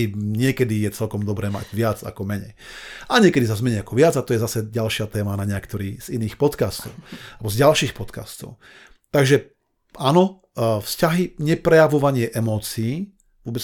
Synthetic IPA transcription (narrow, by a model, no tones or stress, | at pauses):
iɲɪɛkɛd̪ijɛt͡sɛlkɔmd̪ɔbɾɛːma̰ɟʋɪad͡za̰kɔmɛɲɛ̰jaɲɪɛkɛd̪isazmɛɲɛjakɔʋɪad͡zat̪ɔjɛzasɛɟalʃɪat̪ɛːmanaɲɪɛkt̪ɔɾiːz̥iniːxpɔt̪kaːst̪ɔʊabɔzɟalʃiːxpɔt̪ka̰st̪ɔ̰ʊ | t̪aɡʒɛ | anɔ | fscaɦiɲɛpɾɛjaʋɔʋaɲɪɛʔɛmɔːt͡siiː | ʋʊɔbɛt͡s